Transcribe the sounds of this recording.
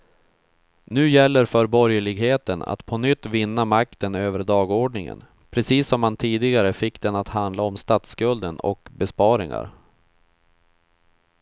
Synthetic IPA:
nʉ̟ːjɛlːəɾfœɾbɔɾjəɭɪɡheːt̪əna̰t̪pʰɔnʏt̪ːvɪnːamakt̪ənøːvəɾɖ̪ɑːɡoːɖɳɪŋə̰n | pʰɾɛsiːsːɔmhant̪ʰiːd̪ɪɡaɾəfɪkːd̪ɛnat̪hand̪laɔmst̪at̪skɵld̪ənɔ̰kbɛspɑːɾɪŋa̰ɾ

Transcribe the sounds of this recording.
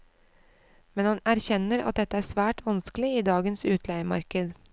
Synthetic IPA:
mɛnhɑnæɾçɛnəɾɑ̰t̪̚d̪ɛt̪əæːsʋæːʈʰʋɑnsklɪiːd̪ɑːɡənsʉːt̪ʰlæɪəmɑ̰ɾkəd̪

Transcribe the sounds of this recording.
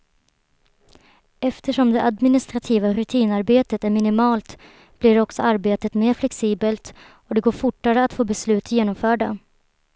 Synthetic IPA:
ɛft̪əʂɔmd̪ɛʔad̪mɪnɪst̪ɾat̪ʰiːvaɾɵt̪ʰiːnaɾbeːt̪ət̪æɾmɪnɪmɑːlt̪ | b̥lɪɖɔksɔaɾbeːt̪ət̪meːɾflɛksiːbəlt̪ | ɔd̪ɛɡoːɾfʊʈːaɾəat̪foːbɛslʉ̟ːt̪jeːnɔmfœːɖa

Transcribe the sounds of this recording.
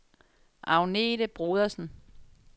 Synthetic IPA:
ʔɑ̈ʊned̥əb̥ʁuːð̞ˠɐsn̩

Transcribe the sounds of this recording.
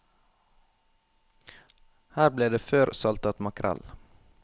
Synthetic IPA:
hæːɾbleːd̪eːføːɾsɑlt̪ɑt̪mɑkʰɾʔɑ̰l

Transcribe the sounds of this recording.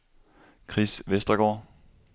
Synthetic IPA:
kʰʁisʋesd̥ʁɐɡ̥ɒ̰ː

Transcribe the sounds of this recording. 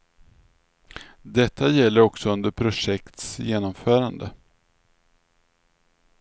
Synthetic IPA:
d̪ɛt̪ːajɛlːəɾɔksɔɵnd̪əɾpʰɾʊʂɛkt̪sjeːnɔmfœːɾand̪ə̰

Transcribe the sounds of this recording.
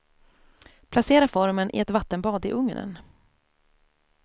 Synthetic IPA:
pʰlaseːɾafɔɾmənʔɪ̰ɛt̪vat̪ːənbɑːd̪ɪʔɵŋnə̰n

